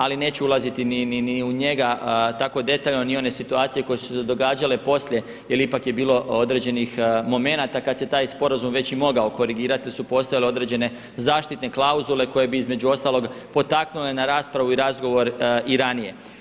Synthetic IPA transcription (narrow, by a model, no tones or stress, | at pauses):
aline̞ːt͡ɕuulˠazit̪inininiuɲe̞ɡat̪ako̞d̪e̞t̪aːʎno̞nio̞ne̞sit̪uaːt̪sije̞ko̞jesu̥sed̪o̞ɡaːd͡ʒale̞po̞sʎʲe̞ | jelipakje̞biːlˠo̞o̞d̪ɾe̞d͡ʑe̞nixmo̞me̞nat̪akad̪se̞t̪aːjspo̞ɾazumʋe̞t͡ɕimo̞ɡao̞ko̞ɾiɡiːɾat̪isupo̞st̪ojaleo̞d̪ɾe̞d͡ʑe̞ne̞ | zaːʃt̪it̪ne̞klˠauzule̞ko̞je̞biizme̞d͡ʑuo̞st̪alˠo̞ɡpo̞t̪aknule̞naɾaːspɾaʋuiɾazɡo̞ʋo̞ɾiɾanije̞